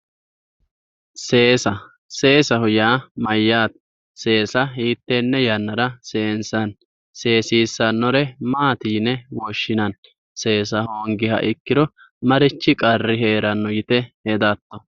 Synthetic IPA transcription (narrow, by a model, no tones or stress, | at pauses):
se̞ːsɐ | se̞ːsɐhʊjaːmɐjːaːt̪ | se̞ːsɐɦiːt̪ːeːnːɛjɐnːɐɾɐse̞ːnsɐn | se̞ːsiːsːɐnːɔɾɛmaːt̪iːnɛwɔʃːɪnɐn | se̞ːs̬ɐhoːŋɡɪhɐ̰ʔɪkːɪd̪ɔ | mɐɾɪt͡ʃːɪkʼɐrːɪɦe̞ːɾɐnːɔjɪt̪ɛhɛd̪at̪ːɔ